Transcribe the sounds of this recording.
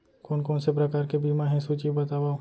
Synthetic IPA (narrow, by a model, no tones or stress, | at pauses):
koːnkoːnsep̬ɾɐkaːɾkebʱiːmaɦɛ̃suːt͡ʃibɐt̪aːʋao